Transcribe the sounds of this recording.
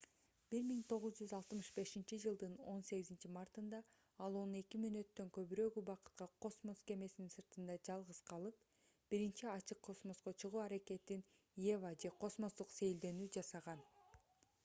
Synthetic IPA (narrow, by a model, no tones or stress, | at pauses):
b̥iɾmiŋt̪ʰo̞ʁuzd͡ʒyzɑlˠt̪mɯʃbe̞ʃint͡ʃid͡ʒɯlˠd̪ɯno̞nse̞ɡizint͡ʃimɑrt̪ɯnd̪ɑ | ɑlˠo̞nne̞kimønø̞t̪ːø̞ŋkø̞βyɾø̞ːɡybɑqɯ̥t̪̚qɑqʰo̞smo̞sɡe̞me̞sininsɯɾt̪ɯnd̪ɑd͡ʒɑlˠʁɯz̥qʰɑlˠɯp̚ | b̥iɾint͡ʃiɑt͡ʃʰɯqʰːo̞smo̞sqo̞t͡ʃʰɯʁuːɑɾake̞t̪in | je̞vad͡ʒe̞qʰo̞smo̞sd̪uqse̞jld̪e̞nyːd͡ʒɑsɑʁɑn